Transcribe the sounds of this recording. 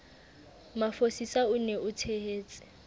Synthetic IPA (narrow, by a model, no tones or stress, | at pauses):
mafosisaʊneʔʊtʰeheːt͡sʼɪ̥